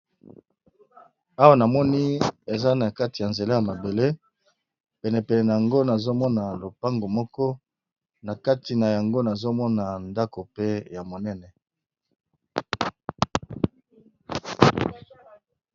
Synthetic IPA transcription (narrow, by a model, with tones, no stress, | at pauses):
a˦wa˨na˨mɔ˦ni˦e˨za˦na˨ka˦ti˨a˨nze˨la˦ja˨ma˨be˨le˦ | pɛ˨nɛ˨pɛ˨nɛ˨na˨ja˨ŋɡo˦na˨zo˦mɔ˦na˨lo˨pa˦ŋɡo˨mɔ˦kɔ˦ | na˨ka˦ti˨na˨ja˨ŋɡo˦na˨zo˦mɔ˦na˨nda˦ko˨pe˦ja˨mo˨nɛ˦nɛ˨